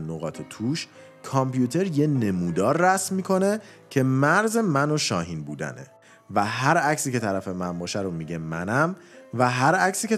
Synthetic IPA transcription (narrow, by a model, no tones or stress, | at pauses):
noɣɒːt̪ʰet̪ʰuːʃ | kʰɒmpʰjuːt̪ʰe̞ɾjene̞muːd̪ɒːɾːæsmmiːkʰo̞ne̞ | cʰe̞mæɾze̞mænoʃɒːɦiːnbuːd̪æ̰ne̞̰ | væɦæɾæcsiːcʰe̞t̪ʰæɾæfe̞mæmbɒːʃæɾomiɟe̞mæ̰næm | væɦæɾæcʰsiːcʰe